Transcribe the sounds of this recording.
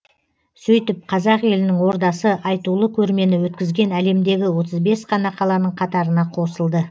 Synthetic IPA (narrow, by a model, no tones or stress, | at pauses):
sɵjt̪ɪp̚qʰɑzɑqe̞lɪnɪŋwo̞ɾd̪ɑsəʔɑjt̪ulˠəkʲʰɵɾme̞nɪwɵt̪̚kʲɪzɡʲe̞næle̞md̪e̞ɡʲɪwo̞t̪əzbe̞sqʰɑnɑqʰɑlˠɑnəɴqʰɑt̪ɑɾənɑqʰo̞səlˠd̪ə